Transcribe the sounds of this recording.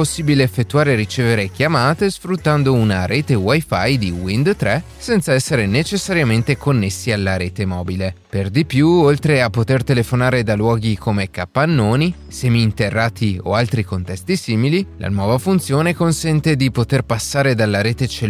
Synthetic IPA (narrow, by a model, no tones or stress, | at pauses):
posːiːbileːfːet̪ːuaːɾeɾit͡ʃeːveɾekjamaːt̪esfɾut̪ːand̪ounaɾeːt̪ewajfajd̪iwind̪t̪ɾɛ | sɛnt̪saɛsːeɾenet͡ʃesːaɾjament̪ekonːesːialːaɾeːt̪emɔːbileperd̪ipjuolt̪ɾeapːot̪ert̪elefonaːɾed̪alwɔːɡikʰomekapːanːoːni | sɛːmiːnt̪erːaːt̪ʰio̰alt̪ɾikont̪ɛst̪isiːmililʔa̰nwɔːvafunt̪sjoːnekonsɛnt̪ed̪ipot̪erpasːaːɾed̪alːaɾeːt̪et͡ʃe